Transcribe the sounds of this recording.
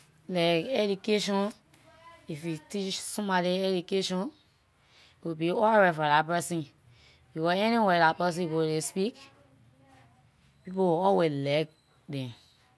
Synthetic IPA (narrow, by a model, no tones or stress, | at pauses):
lakɛdukeʃɔ̃n | ifitit͡ʃsɔ̃madiɛdukeʃɔ̃n | wibiɔɹɛfɔdapɛsĩ | wiwɛɛniwɛdapɛs̬ĩwolespik | pipowiɔweslɛk | dɛ̃m